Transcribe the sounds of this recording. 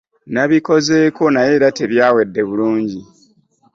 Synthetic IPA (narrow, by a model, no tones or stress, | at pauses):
naβiko̞ze̞ːko̞naje̞ɾateβjaːwe̞dːe̞βuluːɲɟi